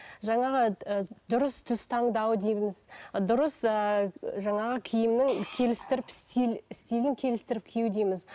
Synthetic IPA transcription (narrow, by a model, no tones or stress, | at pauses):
ʒɑɴɑʁəd̪ʊɾəst̪ʰʏst̪ʰɑɴd̪ɑwəd̪ejmɪzd̪ʊɾəsəʒɑɴɑʁəkʲʰijɪmnɪŋkʲʰe̞lɪst̪ɪɾɪpst̪ilɪst̪ilɪŋkʲʰe̞lɪst̪ɪɾɪpkʲʰjuwd̪ejmɪz